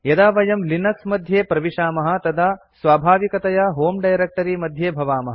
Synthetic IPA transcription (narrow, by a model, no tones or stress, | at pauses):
jɐd̪aːʋɐjɐmlinɐksmɐd̪ʱjeːpɾɐʋiʂaːmɐɦɐ̆t̪ɐd̪ʱa | sʋaːbʱaːʋikɐt̪ɐjɐɦoːmɖɐjɾek̚ʈɐɾimɐd̪ʱjeːbʱɐʋaːmɐɦɐ